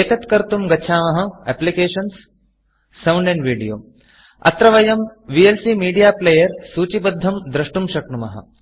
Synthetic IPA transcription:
eːt̪ɐt̪kɐɾt̪umɡɐt͡ʃʰaːmɐɦɐ̆ɛ̰plikeːʃɐnsː | ɐwɳɖẽɳɖʋiːɽijo̰ː | ɐ̰t̪ɾɐʋɐjɐmʋiːelsiːmiːɽijaːpleːjɐɾsuːt͡ɕibɐd̪ʱːɐmd̪ɾɐʂʈumʃɐkɳumɐɦɐ̰

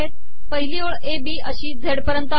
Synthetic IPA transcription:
et̪̚ | pəɦiliːoɭebiːəɕiːd͡zʱeɽpəɾənt̪ə

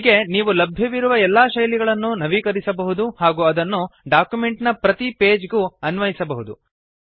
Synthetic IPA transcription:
ɡe̞niːʋulɐbʱjɐʋiɾuʋɐɛlːaːʃɐjliɡɐɭɐnːunɐʋiːkɐɾisɐbɐɦud̪uhaːɡuːɐd̪ɐnːuɖaːkjume̞ɳʈnɐpɾɐt̪ipe̞ːd͡ʒɡuːɐnʋɐjisɐbɐɦud̪u

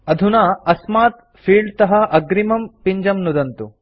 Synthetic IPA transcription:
ɐd̪ʱunaːɐsmaːt̪ | fʰiːɭt̪ɐɦɐ̆ʔɐɡɾimɐmpiɲd͡ʒɐmnud̪ɐnt̪u

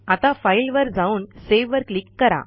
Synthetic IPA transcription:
at̪afailʋəɾd͡zauːnseʋʋəɾklikːəɾa̰

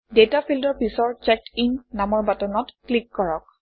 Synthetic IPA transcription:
detapʰildɔɹpisɔɹt͡ʃɛk̚tinːamɔɹbatɔnɔtklikːɔɹɔk̚

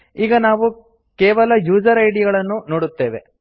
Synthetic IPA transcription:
iːɡɐnaːʋu | keːʋɐlɐjuːd͡ʒɐɾɐjɽijɐɡɐɭɐnːunoːɽut̪ːe̞ːʋe

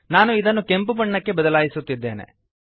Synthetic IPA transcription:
naːnuid̪ɐnːukempubɐɳːɐkːe̞bɐd̪ɐlaːjisut̪ːid̪ːe̞̰ːnḛ

